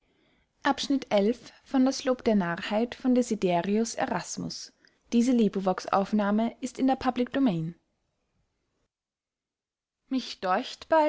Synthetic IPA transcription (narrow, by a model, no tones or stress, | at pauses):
ʔapʃnɪtʔɛlfː | ɔndasloːpd̥eːɐnaːɐhaɪtfɔndezideːʁiʊsḛʁasmʊ̰s | d̥iːzəliːbʁivɔksʔa̰ʊfnaːməɪstɪndeːɐpʰablɪk̚d̥omɛːn | mɪçd̥ɔɪçtb̥a